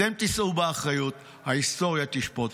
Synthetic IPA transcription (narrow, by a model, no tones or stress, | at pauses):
emt̪isʔubeaχʁajut̪ | haist̪o̞ʁjat̪iʃpo̞t